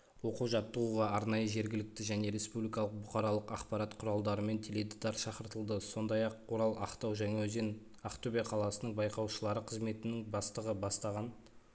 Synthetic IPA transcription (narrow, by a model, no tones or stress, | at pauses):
wo̞quʒɑt̪ːəʁuʁɑɑɾnɑjəʒe̞ɾɡʲɪlɪk̚t̪ɪʒæne̞ɾe̞spublijkɑlˠəq̚bʊqɑɾɑlˠəqɑqpɑɾɑt̪qʰʊɾɑlˠd̪ɑɾəme̞nt̪ʰele̞d̪ɪd̪ɑɾʃɑqəɾt̪əlˠd̪əso̞nd̪ɑjɑqoɾɑlˠɑqt̪ɑwʒæŋɑzen | ɑqt̪ʰɵbeqʰɑlˠɑsənəɴbɑjqɑwʃəlˠɑɾəqʰəzme̞t̪ɪnɪŋbɑst̪əʁəbɑst̪ɑʁɑn